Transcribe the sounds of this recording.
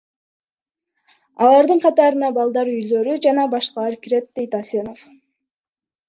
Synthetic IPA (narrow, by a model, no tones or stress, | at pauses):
ɑlˠɑɾd̪ɯɴqʰɑt̪ɑɾɯnɑbɑlˠd̪ɑɾyjlø̞ɾyd͡ʒɑnɑbɑʃqɑlˠɑɾkiɾe̞t̪̚d̪e̞jt̪ɑseno̞f